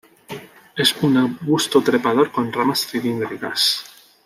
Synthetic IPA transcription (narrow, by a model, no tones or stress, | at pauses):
e̞sunaɣust̪ot̪ɾe̞pað̞o̞ɾko̞nramasθilind̪ɾika̰s